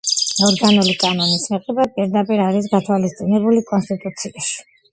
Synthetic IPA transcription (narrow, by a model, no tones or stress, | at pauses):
ɔɾɡanulikʼanɔnismɛqʼɛbapʼiɾd̪apʼiɾaɾisɡat̪ʰwalist̪sʼinɛbulikʼɔnst̪ʼit̪ʼut̪sʰiaʃi̥